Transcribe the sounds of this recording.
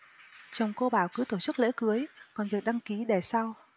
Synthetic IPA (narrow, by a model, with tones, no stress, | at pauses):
t͡ɕɔ˨˩wŋ͡mko˧ɓaː˧˩wkɨ˨˦t̪o˧˩t͡ɕɨ˦˥k̚lḛ˧˥kɨ˨˦əjkɔ˨˩nvɨ˨˩ək̚ɗa˧ŋki˨˦ɗe˧˩sa˧w